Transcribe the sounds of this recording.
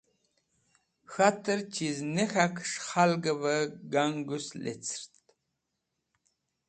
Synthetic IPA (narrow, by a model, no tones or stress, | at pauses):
xat̪ʰɨɾt͡ʃʰiznexakʰʂχalɡəβəɡaŋɡuslḛt͡sʰɾt̪